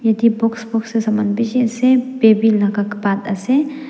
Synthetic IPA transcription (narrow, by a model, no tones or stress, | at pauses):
jɐd̪ibʊksbʊksesɐmbɐnd̪bit͡ʃisebeːbilɐkakbaːd̪ɐse